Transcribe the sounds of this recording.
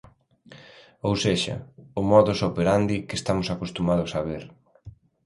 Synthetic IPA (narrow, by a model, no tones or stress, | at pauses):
owseʃɐ̰ʊmɔðʊsopeɾand̪ikest̪amʊsakost̪umaðʊsaβeɾ